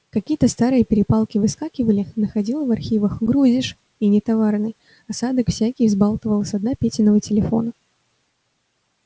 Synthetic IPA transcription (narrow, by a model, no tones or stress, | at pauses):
kɐkʲijət̪əst̪aɾɨjəpʲɪɾʲɪpalˠkʲɪvɨskakʲɪvəlʲɪnəxɐdʲilˠəvɐrxʲivəxɡɾuzʲɪʂ | inʲɪt̪ɐvarnɨj | ɐsad̪əkfsʲækʲɪjzbalˠt̪əvəlˠəsʲɐd̪napʲetʲɪnːəvətʲɪlʲɪfo̞̰nə